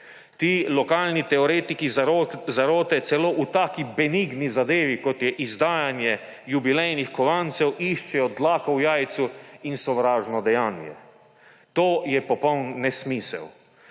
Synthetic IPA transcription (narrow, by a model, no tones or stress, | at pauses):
t̪iːlɔkaːlnit̪ɛɔɾeːt̪ikizaɾoːt̪ɛsɛloːʔut̪aːkibɛniɡnizad̪eːʋikɔt̪jɛʔizd̪aːjanjɛ | jubilɛjnixkɔʋant̪sɛwʔiʃt͡ʃɛjɔd̪laːkɔwjaːjt̪suinsɔʋɾaːʒnɔd̪ɛjaːnjɛ̰ | t̪oːjɛpɔpɔwnːɛsmiːsɛ̰w